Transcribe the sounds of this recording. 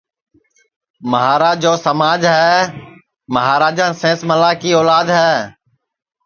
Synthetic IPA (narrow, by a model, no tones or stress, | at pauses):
məɦaːɾaːd͡ʒoːsəmaːd͡ʒɦɛː | məɦaːɾaːd͡ʒãːnsẽːsməlaːkiːɔːlaːd̪ɦɛː